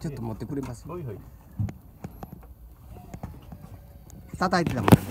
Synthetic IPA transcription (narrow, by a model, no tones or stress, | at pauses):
t͡ɕot̪ːomot̪ːe̞kɯɾemasɨ̥ | t̪at̪ait̪et̪amo̰